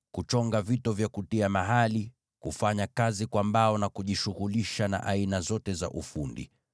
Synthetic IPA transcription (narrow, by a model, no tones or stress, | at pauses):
kut͡ʃɔŋɡavitɔvjakutiamaɦali | kufaɲakazikwambaɔnakuʄiʃuɣuliʃana̰ʔainazɔtɛza̰ʔufundḭ